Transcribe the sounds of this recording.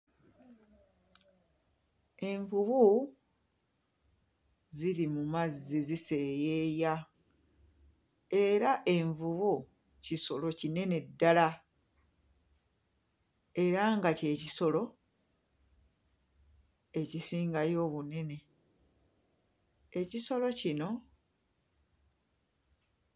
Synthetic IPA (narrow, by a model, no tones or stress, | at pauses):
e̞ɱvuβu | ziɾimumazːizise̞ːje̞ja | e̞ɾaʔe̞ɱvuβu | ciso̞lo̞cine̞ne̞dːala | e̞ɾaŋɡace̞ːciso̞lo̞ | e̞cisiːŋɡajo̞ːβune̞ne̞ | eciso̞lo̞cino̞